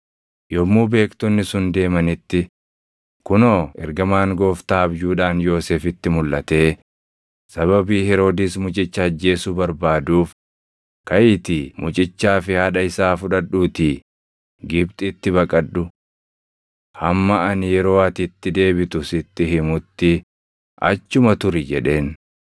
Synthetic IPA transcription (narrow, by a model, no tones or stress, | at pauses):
jɔmːuːbe̞ːkt̪ɔnːɪsʊnd̪e̞ːmɐnɪt̪ːɪ | kʊnoːɛ̰ɾɡɐmaːŋɡo̞ːft̪aːɐbjuːᶑaːnjo̞ːseːfɪt̪ːɪmʊlʔɐt̪e̞ː | sɐβɐbiːhɛɾo̞ːd̪ɪsmʊt͡ʃʼɪt͡ʃːɐɐd͡ʒːe̞ːsuːbɐɾbaːd̪uːf | kɐjɪt̪ɪmʊt͡ʃʼɪt͡ʃːaːfɪhɐᶑɐɪsaːfʊᶑɐᶑːuːt̪i | ɡɪbt̪ʼɪt̪ːɪbɐkʼɐᶑːʊ | hɐmːɐɐnɪjɛɾo̞ːɐt̪ɪt̪ːɪd̪e̞ːbɪt̪ʊsɪt̪ːɪɦɪmʊt̪ːɪ | ʔɐ̰t͡ʃːʊmɐt̪ʊɾɪd͡ʒɛᶑe̞ːn